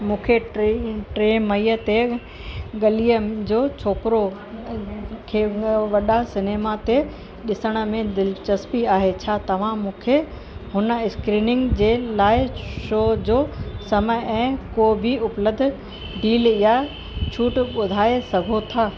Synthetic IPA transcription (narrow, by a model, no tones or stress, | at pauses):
mũːkʰe | ʈɾeːmɐiət̪e | ɠɐlijəd͡ʑoːt͡ɕʰoːpɪɾo | kʰeːʋɐɗasɪneːmat̪e | ɗɪsəɽ̃ə̆mẽd̪ɪlt͡ɕɐspiaːɦet͡ɕʰaːt̪ɐʋ̤ãmũːkʰe | ɦʊnə̆ɪskɾiːnɪ̃ŋɡd͡ʑeːlaːɪʃoːd͡ʑoːsɐməɛ̃ːkoːbʱiʊpləd̪̆ʱ | ɖiːlija | t͡ɕʰuːʈɓʊd̪ʱaːesɐɡʱot̪ʰaː